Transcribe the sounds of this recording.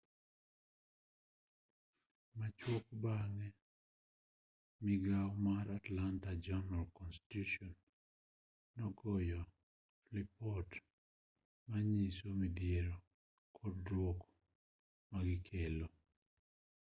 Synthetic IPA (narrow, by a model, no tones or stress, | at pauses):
mat͡ʃwokbaŋɛ | mɪɡawmaɾatlantad͡ʒanalkɔnsti̥tutɔn | ɔɡɔjɔ | flipɔt | maɲisomid̪jeɾo | kʰɔdwok | maɡɪkʰelo